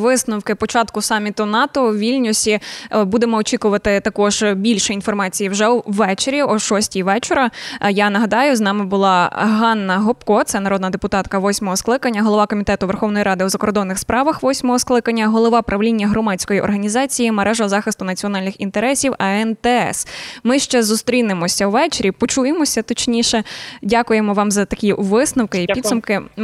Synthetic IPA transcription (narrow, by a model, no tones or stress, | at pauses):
ʋɪsnʊwkɪpɔt͡ʃɑt̪kʊsɑmʲit̪ʊnɑt̪ɔʋʲilʲnʲʊsʲibud̪emɔːt͡ʃʲikʊʋɐt̪ɪt̪ɐkɔʒ̥bʲilʲʃɛin̪fɔrmɑt͡sʲijiwʒɛwːɛt͡ʃeɾʲiɔʃɔsʲtʲijʋɛt͡ʃeɾɐjɑnɐɦɐd̪ɑjʊznɑmɪbʊlˠɑɦɑnːɐɦɔpkɔt̪sɛnɐɾɔd̪nɐd̪epʊt̪ɑt̪kɐʋɔsʲmɔɦɔsklˠɪkɐnʲːɐɦɔlˠɔʋɑkɔmʲit̪ɛt̪ʊʋerxɔwnɔjiɾʔɑd̪ɪʊzɐkɔrd̪ɔnːɪxspɾɑʋɐxʋɔsʲmɔɦɔsklˠɪkɐnʲːɐɦɔlˠɔʋɑpɾʔɐʋlʲinʲːɐɦɾɔmɑt͡sʲkɔjiʔɔ̰rɦɐnʲizɑt͡sʲijimeɾʔɛʒɔzɑxɪst̪ʊnɐt͡sʲiɔn̪ɑlʲnɪxint̪eɾɛsʲiwɐɛnt̪ɛɛ̰smɪʃt͡ʃɛzʊst̪ɾʲinɪmɔsʲɐwʋɛt͡ʃeɾʲipɔt͡ʃujemɔsʲɐt̪ɔt͡ʃnʲiʃɛdʲakʊjemɔʋɑmzɐt̪ɐkʲiʋɪsnɐwkɪiid̪sʊmkɪ